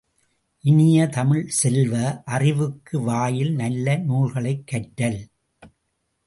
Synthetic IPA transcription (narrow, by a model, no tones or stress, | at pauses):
ʔɪnɪjɐt̪ɐmɪɭsɛlʋɐʔɐrɪʋɯkːɯʋaːjɪlnɐlːɐnuːlɣɐɭɐɪkːɐʈːɐl